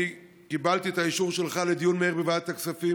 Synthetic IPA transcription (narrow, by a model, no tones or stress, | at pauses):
i | kibalt̪iet̪aiʃuʁʃe̞lχale̞d̪ijunmeeʁbevat̪ːaksafi